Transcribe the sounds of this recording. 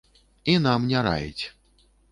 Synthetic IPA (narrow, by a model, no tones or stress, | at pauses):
inamnʲɛɾa̰jḭt͡sʲ